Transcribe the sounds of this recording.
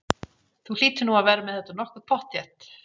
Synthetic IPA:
θul̥iːt̪ɪnuaðvɛːɾamɛðɛt̪anɔhkʏɾ̥pʰɔht̪jɛt̪

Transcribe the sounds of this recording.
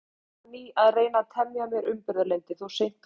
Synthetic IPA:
niaðreːjnat̪ʰɛmjamjɛɾʔʏmpɪɾðʏɾlent̪ɪθusejn̥t̪

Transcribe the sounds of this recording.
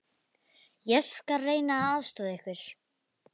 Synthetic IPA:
jɛlskareːjnaaðst̪ɔːðehkvɪɾ̥

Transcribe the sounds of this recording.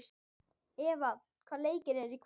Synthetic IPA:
s | ɛːva | kʰvaːɾleːjcɪɾɛɾikʰ

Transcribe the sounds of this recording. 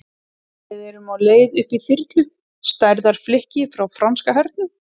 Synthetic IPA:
ɛðɛɾʏmawleːjðʏhpiθɪɾt̪lʏ | st̪ajɾðaɾ̥flɪhcɪfɾawfɾanskaɦœɾt̪̚nʏ

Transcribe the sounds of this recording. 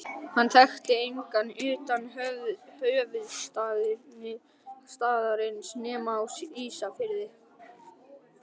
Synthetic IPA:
hanːθɛxt̪ɪejŋkanːʏːt̪anhœhœːvʏðst̪að | st̪aːðaɾɪnsnɛːmawsiːsafɪɾðɪ

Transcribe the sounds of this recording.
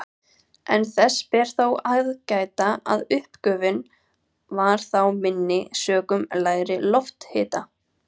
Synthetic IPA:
ʔɛ̰nθɛsːpɛɾ̥θowaɣðcaːjt̪aa̰ðʏhpkœːvɪn | vaɾ̥θawmɪnːɪsœːkʏmlaːjɾɪlɔft̪hɪːt̪a

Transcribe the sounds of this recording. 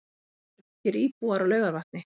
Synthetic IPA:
cɪɾiːpuaɾalœːɥɣaɾvaht̪̚nɪ

